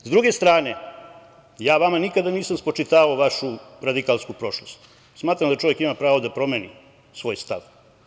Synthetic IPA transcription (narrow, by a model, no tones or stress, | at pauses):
zd̪ɾuɡe̞st̪ɾaːne | jaːʋamanikad̪aniːsamspo̞t͡ʃit̪aːaoʋaʃuɾad̪ikalˠskupɾo̞ʃlost̪ | smaːt̪ɾamd̪at͡ʃo̞ʋjekimapɾaːʋod̪apɾo̞meːnḭ | sʋo̞ːjst̪a̰ʋ